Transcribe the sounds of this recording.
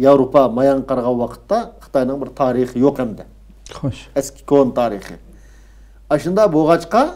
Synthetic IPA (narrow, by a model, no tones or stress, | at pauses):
jɑwɾopɑmɑjɑɴqəɾʁɑnwɑqʰə̥t̪ːɑχə̥t̪ʰɑjnɨŋbɪɾt̪ʰɑːɾɨχəjoqɪnd̪ɪ | oʃɛskʲʰɪ̥kʰont̪ʰɑːɾiχə̰ | ɑʃɨnd̪ɑboʁɑt͡ʃqɑ